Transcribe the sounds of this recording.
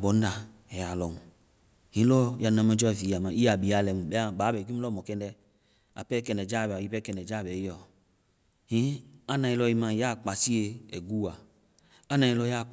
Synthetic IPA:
bɔ˨˦n˦da˨ | ɛ˨a˨lɔ˨ŋu˨ | hĩ˨˦lɔ˦ja˧˨nã˧˨mɛ˦d͡ʒɔ˦˨vi˨˦a˨mã˨i˦a˨bi˨˦a˨lɛ˨mu˨bɛ˦a˦˨ba˨˦bɛ˨k̬i˦m˦lɔ˦˨mɔ˨kɛ˦ndɛ˧˦ | a̰˨pɛ˦kɛ˨nɛ˨d͡ʒa˦˨bɛ˨a˨ji˦pɛ˦kɛ˨nɛ˨d͡ʒa˦˨bɛ˨i˦ɔ˨ | hĩ˦a˦nã˧i˧lɔ˧i˧mã˧˨ja˦˨k͡pa˨si˦e˧ɛ̰˨ɡu˦a˨ | a˦nã˨i˧lɔ˧˦ja˦˨

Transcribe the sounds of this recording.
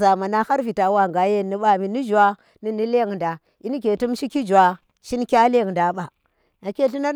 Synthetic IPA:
za˨ma˨na˦ha˦ɾvi˨ta˨˦wa˨ɡa˨je˦˨ni˦ɓa˨mi˨ni˦d͡ʒu˨a˦ | ni˨ni˦le˦˨ŋ˨nda˨ | i˦n˦ke˨tu˦mʃi˦ki˦d͡ʒu˨a˨ | ʃi˦nkʲa˦le˦˨ŋnda˨˦ɓa˨ | na˨kʲe˦ɬi˦na˦

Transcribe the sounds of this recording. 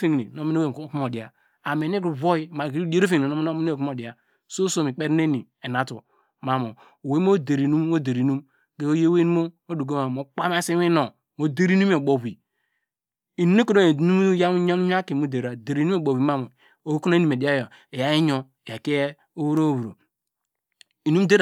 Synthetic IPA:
fi˦˨ŋ˨ni˨no˨˦mi˦ne˦we˦˨˦ku˦m˦o˨di˨a˨ | a˨me˨ni˦ɡu˨βo˦i˦ma˨ɡde˦ɾo˦fi˦ŋ˨i˨o˦m˦e˦˨km˦o˨di˨a˨ | so˦so˦˨mi˨k͡pe˦ɾne˦ni˨ | e˨na˨tṵ˨ | ma˨mo˨ | we˦m˦o˦de˨ɾi˨nu˦m˦o˦de˨ɾi˨nu˦m | ɡe˦o˦je˦we˦n˦mo˦o˦du˨ɡo˦ma˨mo˨k͡pa˦ma˦si˦i˦no˨ | mo˦de˦ɾi˦nu˦m˦o˨bo˨bi˨ | i˨n˦e˦ko˨do˦˨˦nu˦ja˦mu˦ɲa˦ɲ˦a˦ki˨mo˦de˨ɾa˨de˨ɾi˨nu˦o˦˨bo˨wi˨ma˦mo˨ | o˨˦ku˦n˦ni˦me˨di˨˦a˦jo˨ | e˨ja˨˦i˦ɲo˦˨a˨ki˦e˦ | o˦wu˦ɾo˦˨wu˨ɾo̰˨ | i˨nu˦m˦de˦ɾ

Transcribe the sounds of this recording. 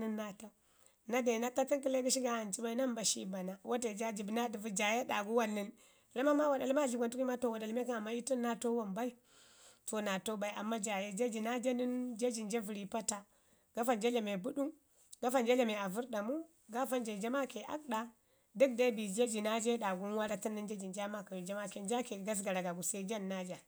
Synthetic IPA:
nɨ˦nːa˦ta˦ | na˦de˨na˦ta˦ti˦ki˦le˦ɡu˦ʃ̬i˦ɡa˦ha˨nt͡ʃi˦ba˦i˦na˦mba˨ʃḭ˦ba˨na˨wʔo˦t̬e˨d͡ʒa˦d͡ʒi˨bna˦di˨vu˦d͡ʒa˨je˦ɗa˨ɡu˦wa˦nːi˦n˨ | la˦ma˦ma˦wa˨da˨lma˦˨i˨ɡʷa˨ntu˦ki˦ma˦to˨wa˨da˨lme˦ka˦a˨mːa˦i˦ti˦nːa˦to˦wo˨mba˦i˦ | to˨na˨to˦ba˨i˨a˨mːa˦d͡ʒa˨je˦d͡ʒe˦d͡ʒi˨na˦d͡ʒe˦ni˦nd͡ʒe˦d͡ʒi˨nd͡ʒe˦vu˨ɾi˨pa˦ta˦ | ɡ̥a˦fa˦˨nd͡ʒe˦le˨me˨bu˦ɗu˦ŋ | ɡa˦fa˦˨nd͡ʒe˦le˨me˨a˨vu˦ɾɗa˨mu˦ | ɡa˦fa˦nd͡ʒe˨d͡ʒe˦ma˦ke˨ʔa̰˦k̚ɗa˨ | dɨ˦k̚da˦bi˨d͡ʒe˦d͡ʒi˨na˦d͡ʒe˦ɗa˨ɡu˦nwa˦ɾa˦ti˦nːɨ˦nd͡ʒe˦d͡ʒi˨nd͡ʒa˦ma˦ka˨ju˨d͡ʒa˦ma˦ke˨nd͡ʒa˦ke˨ɡa˦s̬ɡa˨ɾa˨ɡa˨ɡu˨sa˦i˦d͡ʒa˦nːa˦d͡ʒa˨

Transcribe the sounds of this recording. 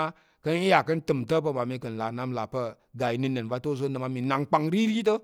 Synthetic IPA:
a˦ | kə˦ni˦ja˨kə˦n˦tɨ˨mtə˦p̬ə˧ma˨mi˧kə˨n˨la˨na˦mla˨pə˦ | ɡa˨i˨˦nɨ˧nə˨nva˧to˦˨z̬o˦nə˨ma˧mi˨na˨ŋk͡pa˧ŋɾi˦ɾi˦t̬ə˦

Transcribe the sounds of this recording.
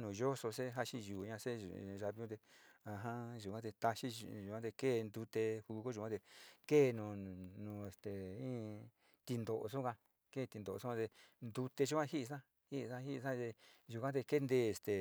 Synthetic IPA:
nũ˨ʒo˦so˧se˦ɦa˦ʃi˦ʒuː˨ɲã˧sḛ˦˨˧ʒa˧βi˧˦ũ˦t̪e˧ã˧˨ɦã˦ʒu˨kã˦t̪̬e˧t̪a˧ʃi˦˧ʒu˨kã˦t̪e˧keː˦˨˧nd̪u˧t̪e˧hu˧ko˦ʒu˨ã˦t̪e˧ke˦˨nũ˨nũː˨e˨st̪e˨ĩ˦ | t̪i˧nd̪o˨ʔo̰˧so˦kã˧ | ke˦˨˧t̪i˧nd̪o˨o˧õ˦ã˧t̪e˧nd̪u˧t̪e˧ʒu˦kʷã˦hi˦ʔi˧sã˦ | hi˦ʔsã˦hi˦˧sã˦t̪e˧ʒu˨kʷã˦t̪e˧ke˦nd̪eː˦˨e˨st̪e˨

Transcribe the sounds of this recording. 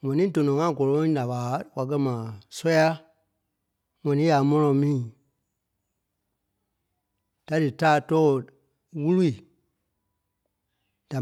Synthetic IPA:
ŋɛ̃˨nĩ˦tõ˨nõ˨ŋã˦ɡɔ˨lɔ̃˨˦da˨ɓaː˨˦wa˨k̬ɜ˦mãː˨sɔ˦ja˦ | ŋɛ̃˨nĩ˦ja˨˦mɔ̃˦nɔ̃˧˨mĩː˦˨ | d̥a˨dɨ˨taː˦tɔː˦˨ | wu˦lu˦i˨ | d̥a˨

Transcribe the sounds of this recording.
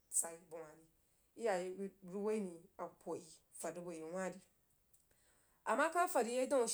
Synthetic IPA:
t͡sa˨i˨bu˨wã˨di˨ | i˦ja˨je˨˦˨ɾu˦we˦i˦nĩ˨a˨pʰo˨ji˨ | fa˨di˦bo˨e˨wʷã˦di˨ | a˨ma˦kã˦fa˨di˨˦je˦dã˦˨

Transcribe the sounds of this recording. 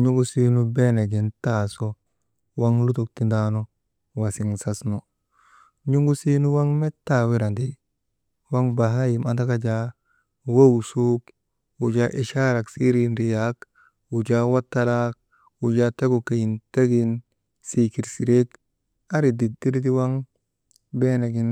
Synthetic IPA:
ɲu˦ɡu˦si˦nu˦be˦ne˨ɡi˨nta˨so˦ | wa˦ŋlu˦tu˨k̚ti˨nda˦no˦ | wa˨si˨ŋsa˦sno˨ | ɲu˦ŋɡu˦si˦nu˦wa˦ŋme˦tːa˨wi˦ɾa˨ndi˦ | wa˦ŋba˨ɦa˦ji˨ma˨ta˦ka˦d͡ʒa˦ | wa˦wu˨su˦k | wu˨d͡ʒa˦ʔi˨ʃa˦ɾa˨ksi˦ɾi˦nɾi˨jak | wu˨d͡ʒa˦wa˦tːa˦la˦k̚ | wu˨d͡ʒa˦te˦ɡo˨ke˨ji˨nta˦ɡi˦n | si˨ki˨ɾsi˨ɾe˦k | a˦ɾi˨di˨di˦ɾt̬i˦wa˦ŋ | be˦ne˨ɡi˨n

